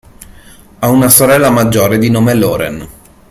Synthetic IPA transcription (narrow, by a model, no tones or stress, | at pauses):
aunasoɾɛlːamad͡ʒːoːɾed̪inoːmeloːɾḛn